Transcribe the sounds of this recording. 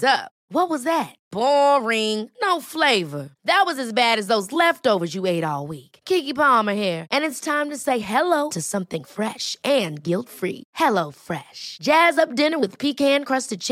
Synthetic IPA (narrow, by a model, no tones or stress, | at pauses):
zʌp | wʌt̚wʌzðɨt̚b̥ɔɹɪ̃ŋnoʊfleɪvə˞ðɨt̚wʌzɨzbæɾɨzðoʊzlɛftoʊvə˞zjɨeɪɾɔlˠwikkʰikipɑmə˞hiɹʔɨ̃nɨtstʰãɪ̃mtɨseɪɦɛloʊɾɨsʌ̃mθɪ̃ŋfɹɛʃɨ̃nɡɪlˠtfɹḭhɛlˠoʊfɹɛʃd̥ʒ̥æzʌp̚d̥ɪ̃nə˞wɨð̥pʰikhæ̃nkʰɹ̥ʌstɨd̚t͡ʃʰ